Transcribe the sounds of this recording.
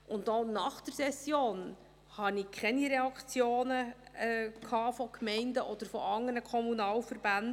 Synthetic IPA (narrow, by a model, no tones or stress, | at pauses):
ʔʊntːonɑχd̥əɾsɛsjoːn | hɑnikʰɛniɾɛɑkt͡sjoːnəɛkʰɑːfɔkmɛɪndəʔɔd̥̪əɾfɔ̰ʔɑŋːənəkʰɔmunɑːlfəɾb̥ænd